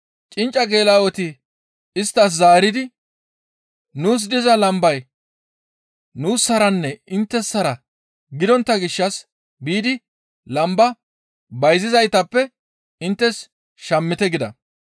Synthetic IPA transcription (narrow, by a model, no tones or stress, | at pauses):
t͡ʃʼɪnt͡ʃʼːɐɡe̞ːlaːwɔt̪ɪ | ɪst̪ːɐs̬zaːɾɪd̪ɪ | nuːs̬d̪ɪzɐlɐmbɐj | nuːsːɐɾɐnːɛɪnt̪ːɛsːɐɾɐ | ɡɪd̪ɔnt̪ːɐɡɪʃːɐs | biːd̪ɪ | lɐmbɐ | bɐjzɪzɐjt̪ɐpːɛ | ɪnt̪ːɛs | ʃɐmːɪt̪ɛɡɪd̪ɐ̰